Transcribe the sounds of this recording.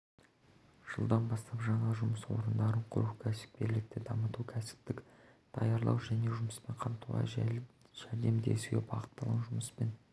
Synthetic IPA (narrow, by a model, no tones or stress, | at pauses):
ʒ̥ə̰lˠd̪ɑnbɑst̪ɑpʒɑɴɑʒʊməswo̞̰ɾənd̪ɑɾəɴqʰʊ̰ɾuwkʲʰæsɪ̥p̚kʲe̞ɾlɪk̚t̪ɪd̪ɑmət̪ukʲʰæsɪ̥p̚t̪ɪk | d̪̥ʰɑ̰jɑɾlˠɑ̰wʒæne̞ʒʊməspeɴqʰɑmt̪ʰulˠɑ̰jʒ̥æɾd̪e̞md̪ḛsjḛbɑ̰ʁə̥t̪ːɑlˠəʒʊməspen